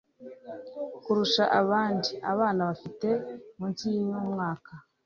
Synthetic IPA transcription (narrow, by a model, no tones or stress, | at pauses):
kuɾuʃaʔaβaːndiaβaːnaβafite̞muːnsijinoːmŋaːka